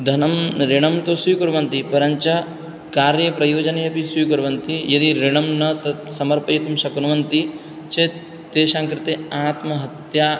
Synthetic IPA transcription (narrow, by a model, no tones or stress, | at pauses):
d̪ʱɐnɐmɾiɳɐmt̪osujkoɾʋɐnt̪ipɐɾɐɲt͡ʃɐ | kaːɾjɐpɾɐjoːd͡ʒɐnɐjɐpisujkoɾʋɐnt̪ijɐd̪iɾiɳɐmnɐt̪ɐsɐmɐɾpɐjit̪umʃɐkunɐʋɐnt̪i | t͡ʃe | t̪eːʃaːŋkɾɪt̪eːaːt̪mɐɦɐt̪jaː